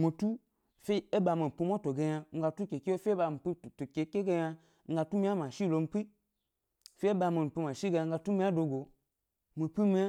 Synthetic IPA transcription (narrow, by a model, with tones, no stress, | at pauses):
mo˨tu˦ | fe˦e˦ba˧˨ma˨m̩˨pi˧mo˦to˨ɡe˧ja˧ŋ̩˦ɡa˧tu˦ke˨ki˦o˦fi˦e˦ba˧˨m̩˨pi˦˨to˨ke˨˦ke˦ɡe˧ja˧ | ŋ̩˦ɡa˧tu˦mi˦a˦ma˨ʃi˦˨lo˧˨m̩˦pʷi˦ | fe˦e˦ba˧˨ma˨m̩˨pi˧ma˨ʃi˦ɡa˧a˧ŋ̩˦ɡa˧tu˦mi˦a˦do˨˧ɡo˨ | mo˨pi˦mi˦a˦